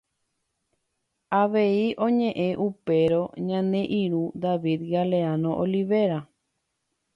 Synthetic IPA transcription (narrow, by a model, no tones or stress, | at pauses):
aʋe̞iʔõ̞ɲẽʔẽʔupe̞ɾo̞ɲãnẽ̞ʔĩɾud̪aʋid̪ɡaleanõʔoliʋe̞ɾa